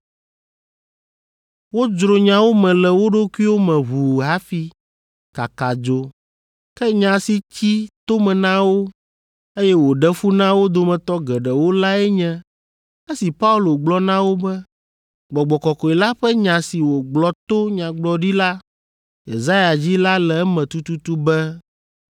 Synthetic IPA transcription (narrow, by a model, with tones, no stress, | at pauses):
wo˦d͡ʒɾo˨ɲã˨wo˦mɛ̃˨lɛ˨wo˦ɖo˦kʷu˦i˦wo˦mɛ̃˨βu˨ɦa˦fi˦ | ka˨ka˨d͡ʒo˦ | kɛ˦ɲã˨si˨t͡ɕi˦t̪o˦mɛ̃˨nã˦wo˦ | e˦jɛ˦wo˨ɖɛ˦fu˦nã˦wo˦d̪o˨mɛ̃˨t̪ɔ˦ɡɛ˨ɖɛ˨wo˦la˦ɛ˦ɲɛ̃˦ | e˦si˨pa˦u˦lo˨ɡ͡blɔ˦nã˦wo˦bɛ˦ | ɡ͡bɔ˨ɡ͡bɔ˨kɔ˨kɔ˨e˨la˦ɸɛ˦ɲã˨si˨wo˨ɡ͡blɔ˦t̪o˦ɲã˨ɡ͡blɔ˨ɖi˦la˦ | jḛ˨za˦ja˨d͡ʑi˦la˦lɛ˨˦mɛ̃˨t̪u˦t̪u˦t̪u˦bɛ˦